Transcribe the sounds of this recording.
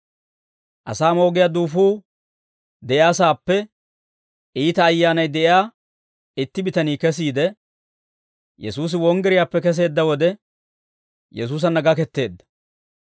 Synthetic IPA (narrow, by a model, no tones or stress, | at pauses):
ʔɐ̰saːmo̞ːɡɪjaːd̪uːfuː | d̪ɛʔɪaːsaːpːɛ | ʔiːt̪ɐːjːaːnɐjd̪ɛʔɪaː | ɪt̪ːɪbɪt̪ɐniːkɛs̬iːd̪ɛ | jɛ̰suːs̬ɪwɔŋɡɛɾɪjaːpːɛkɛs̬e̞ːd̪ːɐwɔd̪ɛ | jɛs̬uːs̬ɐnːɐɡɐkɛt̪ːe̞ːd̪ːɐ̥